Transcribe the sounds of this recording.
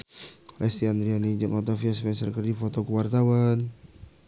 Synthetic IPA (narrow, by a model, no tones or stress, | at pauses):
lɛst̪iand̪ɾianid͡ʒaŋɔt̪ofiaspɛnsərkərdifot̪okəwart̪awan